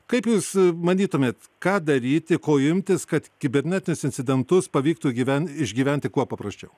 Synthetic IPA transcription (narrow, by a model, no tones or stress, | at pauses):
kɐɪpjuːsmɐnʲiːt̪ʊmʲeːt̪ | kɑːd̪ɐɾʲiːt̪ʲɪkoːɪmʲt̪ʲɪskɐt̪kʲɪbʲɛɾʲnʲɛt̪ʲɪnʲʊsɪnʲtsʲɪd̪ʲɛnt̪ʊspɐʋʲiːk̚t̪uɡʲiʋʲɛnɪʒʲɡʲiːʋʲænʲt̪ʲɪkuɔpɐpɾɐsʲt͡ʃʲɛʊ